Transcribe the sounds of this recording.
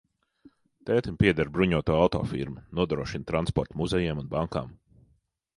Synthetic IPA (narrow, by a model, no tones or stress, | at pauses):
t̪ɛːt̪umʲpʲiɛd̪aɾbɾuɲuɔt̪uːawt̪ɔ̰ːfḭɾmunuɔd̪ɾuɔʃint̪ɾanspɔɾt̪muzɛjɛːmunbaŋka̰ːm